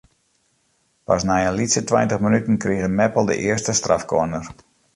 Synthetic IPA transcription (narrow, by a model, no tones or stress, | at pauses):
pa̰snajənlitsətwajntəχmənytn̩kriɣəmɛpəlˠdə̰ʔɪəstəstra̰fkoənər